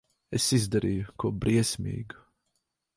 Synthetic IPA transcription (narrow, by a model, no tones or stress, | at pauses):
ɛsizd̪əɾikʰobɾiɛsmḭːɡ